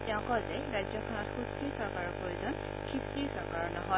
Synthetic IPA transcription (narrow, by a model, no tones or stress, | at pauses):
tɛʊ̃kɔzɛɹajzjɔkʰɔnɔtxustiɹsɔɹkaɹɔpɹojuzɔn | kʰiptiɹsɔɹkaɹɔnɔɦɔ